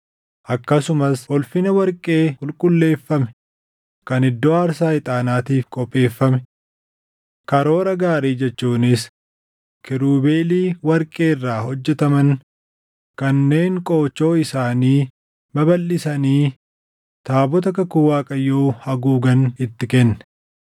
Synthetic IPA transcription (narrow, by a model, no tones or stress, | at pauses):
ʔɐkːɐsʊmɐsɔlfɪnɐwɐɾkʼe̞ːkʼʊlkʼʊlːe̞ːfːɐmɛ̥ | kɐnɪd̪ːoːaːɾsaːɪt̪ʼaːnaːt̪iːfkʼɔpʼːe̞ːfːɐmɛ | kɐɾo̞ːɾɐɡaːɾiːd͡ʒɛt͡ʃːuːnɪs | kɪɾuːbe̞ːliːwɐɾkʼe̞ːrːaːhɔd͡ʒːɛt̪ɐmɐn | kɐnːe̞ːŋkʼo̞ːt͡ʃːo̞ːɪsaːniː | mɐbɐlːɪsɐniː | t̪aːbɔt̪̬ɐkɐkʊwaːkʼɐjoːhɐɡuːɡɐnɪt̪ːɪkɛnːɛ̥